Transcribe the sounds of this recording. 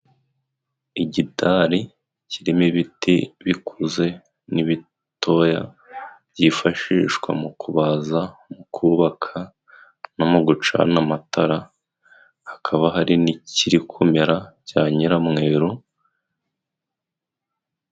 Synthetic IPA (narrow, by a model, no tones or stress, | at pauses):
iɟitʰaɾi | ciɾimiβitiβikʰuze̞ | niβi | tʰo̞ja̰ | bɟifaʃiʃkwa̰mukʰuβazamukʰuβakʰa | namoɡut͡ʃa̰namataɾa | hakʰaβaɦaɾiniciɾikʰumeɾacaːɲiɾamŋe̞ːɾu